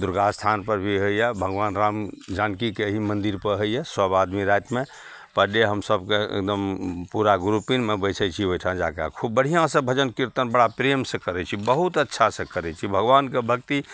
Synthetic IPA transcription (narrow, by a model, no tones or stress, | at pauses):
d̪uɾɡast̪ʰanpəɾbʱiɦəijabʱəɡʋanɾamd͡ʒankikeɦimənd̪iɾpəɾɦəjjasəbad̪miɾajt̪me | pəɖeɦəmsəbkeḛk̚d̪əmpuɾaɡɾupinmebət͡ʃʰət͡ʃʰiɦojʈʰãd͡ʒaka̰kʰubːəɽ̤ijãsə̃bʱəd͡ʒənkiɾt̪ənbəɽapɾemsə̃kəɾɛt͡ʃʰibəɦut̪ətːʃʰasə̃kəɾɛt͡ʃʰibʱəɡʋankebʱəkt̪i